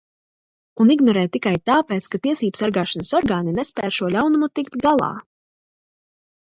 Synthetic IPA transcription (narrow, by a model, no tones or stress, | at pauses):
uniɡnɔɾɛːt̪ːikajt̪aːpɛːt̪skat̪iɛsiːbəsaɾɡaːʃanɐsɔɾɡaːninɛspɛːʃuɔlʲawnumut̪ikt̪ɡalˠɑ̰ː